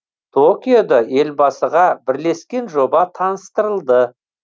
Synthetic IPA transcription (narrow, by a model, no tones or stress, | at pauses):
t̪ʰokʲijod̪ɑe̞lbɑsəʁɑbɪɾle̞skʲe̞nʒo̞bɑt̪ʰɑnəst̪əɾəlˠd̪ə